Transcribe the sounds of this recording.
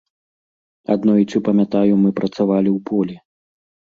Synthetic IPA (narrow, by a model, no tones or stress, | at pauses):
ad̪nɔit͡sɨpɐmʲat̪ajumɨpɾʔɐt̪savalʲiwpɔlʲi